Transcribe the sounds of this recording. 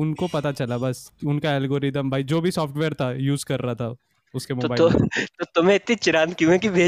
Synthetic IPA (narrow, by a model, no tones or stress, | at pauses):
ʊnkopɐt̪at͡ʃɐlabɐsʊnkaɛːlɡoːɾɪd̪əmbʱaːid͡ʒoːbʱisɔːfʈʋeːɾt̪ʰajuːzkɐɾːaɦat̪ʰa | ʊskemoːobaːɪt̪ot̪ʊmẽɪt̪nit͡ʃɪɾaːnkijũẽkibʱeː